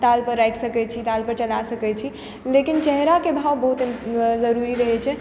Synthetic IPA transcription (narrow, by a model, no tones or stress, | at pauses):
t̪alpəɾːajksəkɛt͡ʃʰit̪alpəɾt͡ʃəlasəkɛt͡ʃʰi | lekint͡ʃɛɦɾakebʱawbəɦut̪zəɾuɾiɾəɦɛt͡ʃʰɛ